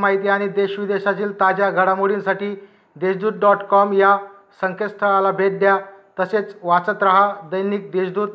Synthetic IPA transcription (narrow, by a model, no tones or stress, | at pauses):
maɦit̪iaɽ̃id̪eɕʋid̪eɕat͡ɕiːlt̪ad͡ʑaɡʱəɽamuɽinsaʈiː | d̪eɕd̪uːɾ̚ɖɔʈkɔmja | səŋkʰest̪ʰəɭalabeʈ̚d̪jat̪əset͡sʋat͡sət̪ɾaɦad̪əjniːk̚d̪eɕd̪uːɾ̚